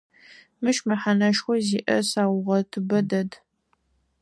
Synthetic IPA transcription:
mɨʃmɐħanɐʃxʷɔziːʔɐsaːwʁɐtʰɨbɐdɐd

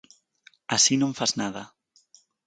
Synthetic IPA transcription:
asinõɱfaznaðɐ

